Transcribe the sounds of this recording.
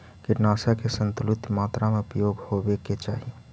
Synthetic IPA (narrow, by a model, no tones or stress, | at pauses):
kɪɾnaːsakesənt̪ulut̪maːt̪ɾamepjoɡhobeket͡ʃaːɦi